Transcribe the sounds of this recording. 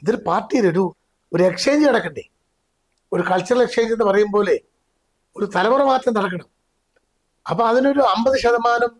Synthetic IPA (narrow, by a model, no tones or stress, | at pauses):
iðiɾupaːrʈːijiloɾu | oɾe̞kʂe̞ːɲd͡ʑɨɐɽɐkːɐɳɖe | oɾukɐɭt͡ɕːɐrɐlekʂeːɲd͡ʑenːɨpɐrɐjumboːle | oɾut̪ɐlɐbɐrɐmaːt̪ːrɐmnɐɽɐkːɐɳɐm | ɐpːoɐðino̞ɾuɐmbɐðɨɕɐd̪ɐmaːnɐm